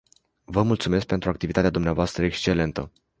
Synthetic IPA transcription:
vəmult̪sume̞s̬k̚pe̞nt̪ɾuakt̪ivit̪at̪ead̪umneavoast̪ɾəekst͡ʃe̞le̞nt̪ə

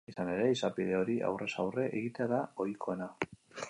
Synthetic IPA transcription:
isane̞ɾe̞isapiðe̞o̞ɾiʔa̰wre̞sawre̞ʔeɣit̪eaðao̞jkʰo̞e̞na

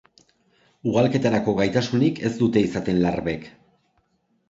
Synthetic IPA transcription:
uɣalke̞t̪aɾako̞ɣajt̪asunike̞zd̪ut̪e̞isat̪e̞nlaɾβe̞k

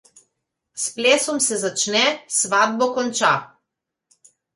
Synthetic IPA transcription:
spleːsɔmsɛzat͡ʃnɛsʋad̪̚bɔkɔnt͡ʃa

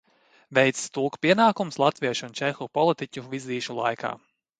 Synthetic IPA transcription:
vɛjt̪st̪ulˠkpiɛnaːkumslˠat̪viɛʃunt͡ʃɛxupɔlˠit̪icʲuviziːʃulˠa̰jkʰa̰ː

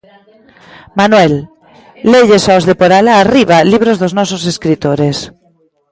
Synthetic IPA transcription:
manwelː | eʎesaozðepoɾalaːriβ̞aliβ̞ɾozðoznɔsoseskɾit̪oɾes

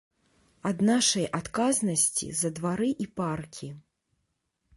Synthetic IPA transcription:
ɐd̪naʂɐjʔat̪kaznɐsʲt͡sʲḭzɐd̪vaɾɨʔiparkʲʰi

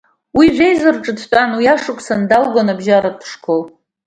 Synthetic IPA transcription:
wiʕʷᶣejzɨrʈ͡ʂʼɨdʰt͡pʷʼanwiaʂɨkʷʼsandalɡʷanabʒaɾapʰʂkʰʼol

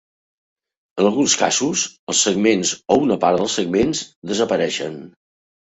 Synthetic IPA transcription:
ənəlˠɣunska̰zuzəlˠsəɡmenzounəpaɾðəlˠsəɡ̚menzd̪əzəpəɾɛʃə̰n

